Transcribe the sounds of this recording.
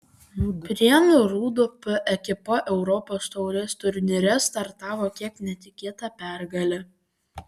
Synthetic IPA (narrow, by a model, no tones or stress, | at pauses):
pʲɾʲiɛnʊɾuːd̪ʊpʊʔɛkʲɪpoʔɛʊɾɔpoːst̪ɔʊɾʲɛst̪ʊɾʲnʲɪɾʲɛst̪ɐɾt̪ɑːʋoːkʲiɛknʲɛt̪ʲɪkʲeːt̪ɑpʲæˑɾɡɐlʲɛ